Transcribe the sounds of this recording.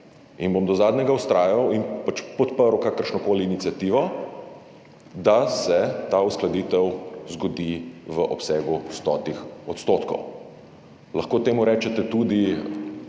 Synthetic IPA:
inbomd̪ɔzaːd̪nʲɛɡaust̪ɾaːjawinpat͡ʃpɔt̪pəɾwkaːkəɾʃnɔkoːliːnit̪sjat̪iːʋɔ | d̪asɛt̪ausklad̪iːt̪ɛwzɡɔd̪iʋəʔɔpsɛːɡust̪ɔːt̪ixɔt̪st̪oːt̪kɔ̰w | lɐxkoːt̪eːmuɾɛːt͡ʃɛt̪ɛt̪uːd̪i

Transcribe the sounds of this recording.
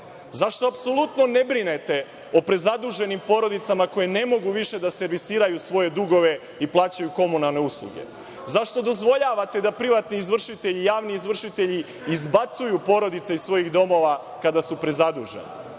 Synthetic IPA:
zaʃt̪oapso̞lˠut̪no̞ne̞bɾine̞t̪e̞ | o̞pɾe̞zad̪uʒe̞nimpo̞ɾo̞d̪it̪samako̞jene̞mo̞ɡuʋiʃe̞d̪ase̞ɾʋisiːɾajusʋo̞je̞d̪uɡo̞ʋe̞ | iplˠaːt͡ɕajuko̞munalˠne̞uslˠṵɡe̞̰ | zaʃt̪o̞d̪o̞zʋo̞ʎaʋat̪e̞d̪apɾiʋat̪niːzʋr̩ʃit̪e̞ʎijaːʋniizʋr̩ʃit̪eʎi | izbat̪sujupo̞ɾo̞d̪it̪seisʋo̞jiɣd̪o̞mo̞ʋa | kad̪asupɾe̞zad̪ṵʒe̞̰ni

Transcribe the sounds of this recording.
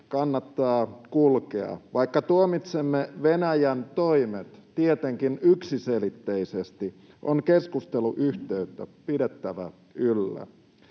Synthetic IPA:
kɑnːɑt̪ːɑːkulkeɑ̰ʋɑikːɑt̪uomit̪semːeʋenæjænt̪oimet̪t̪iet̪eŋkinyksiselit̪ːeisest̪i | ʔoŋkeskust̪eluʔyht̪eyt̪ːæpidet̪ːæʋæ | ylːæ̰

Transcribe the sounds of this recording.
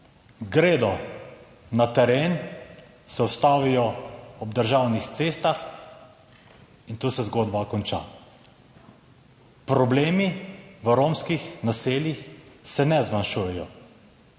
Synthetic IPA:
ɡɾeːd̪ɔ | nat̪ɛɾeːn | sɛɔst̪aːʋijɔɔb̚d̪əɾʒawnixt̪seːst̪ax | int̪uːsɛzɡoːd̪bakɔnt͡ʃa̰ | pɾɔbleːmiʋəɾoːmskixnaseːljixsɛnɛzmanʃujɛjɔ̰

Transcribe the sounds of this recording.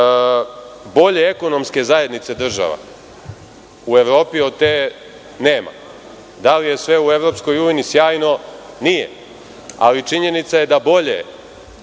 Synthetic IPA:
bo̞ʎe̞eko̞no̞mske̞zaje̞d̪nit̪se̞d̪r̩ʒa̰ʋa̰ | ue̞ʋɾo̞ːpio̞d̪t̪e | ne̞ːma̰ | d̪alije̞sʋe̞ue̞ʋɾo̞psko̞jujnisjaːjno̞ | nijḛ | a̰lit͡ʃiɲe̞nit̪saje̞d̪abo̞ʎḛ

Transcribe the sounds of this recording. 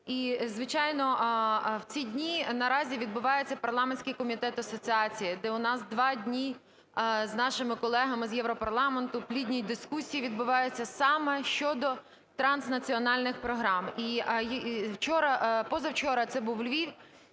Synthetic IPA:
izʋɪt͡ʃɑjnɔwt͡sʲidʲnʲinɐɾɑzʲiʋʲid̪̚bʊʋɑjet͡sʲːɐpɐrlˠɑmenʲsʲkɪjkɔmʲit̪ɛt̪ɐsɔt͡sʲiɑt͡sʲijid̪ɛʊnɑzd̪ʋɑdʲnʲi | znɑʃɪmɪkɔlˠɛɦɐmɪzjɛwɾɔpɐɾlˠɑment̪ʊplʲidʲnʲijd̪ɪskusʲijiʋʲid̪̚bʊʋɑjʊt͡sʲːɐsɑmɛʃt͡ʃɔd̪ɔ | t̪ɾɑnsnɐt͡sʲiɔnɑlʲnɪxpɾɔɦɾɑmi | wt͡ʃɔɾɐpɔzɐwt͡ʃɔɾɐt̪sɛbuwlʲʋʲi

